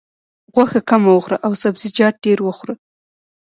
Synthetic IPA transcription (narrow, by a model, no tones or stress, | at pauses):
ɣwaxakamawəxɾaʔawsabzid͡ʒɑʈ̪̚ɖeɾwəxɾə